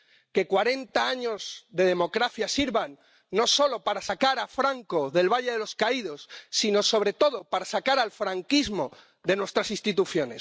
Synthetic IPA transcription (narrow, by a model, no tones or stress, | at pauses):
ke̞kwaɾe̞nt̪aaɲo̞zðeð̞e̞mo̞kɾaθjasiɾβanː | o̞so̞lo̞paɾasakaɾafɾaŋko̞ðe̞lβaʎe̞ðe̞lo̞skaiðo̞sːino̞so̞βɾe̞t̪o̞ðo̞paɾasakaɾalfɾaŋkizmo̞ | ðe̞nwe̞st̪ɾasĩnst̪it̪uθjo̞ne̞̰s